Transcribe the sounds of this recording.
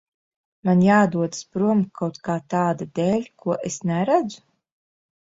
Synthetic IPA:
manjaːd̪uɔd̪spɾuɔmkʰawt̪kaːt̪aːd̪ad̪eːlʲkʰuɔʔesnɛɾæd̪zu̥

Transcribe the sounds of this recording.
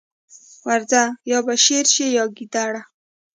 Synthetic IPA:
waɾzajɑbaʃeɾʃejɑɡid̪aɽa

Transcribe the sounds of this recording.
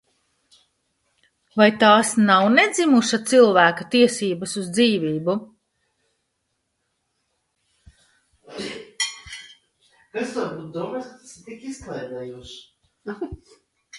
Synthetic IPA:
vajt̪aːsnawned̪zimuʃat̪silˠvæːkat̪iɛsiːbɐsuzd̪ziːvʲiːbu | kasd̪aɾbuːt̪̚d̪uɔmast̪ḁst̪ikisklˠɛjd̪ɛjuɔʃ

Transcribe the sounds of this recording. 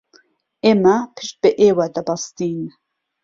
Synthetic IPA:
ʔeːmapʰɨʃt̪̚bɨʔeːwad̪ɐbɑst̪iːn

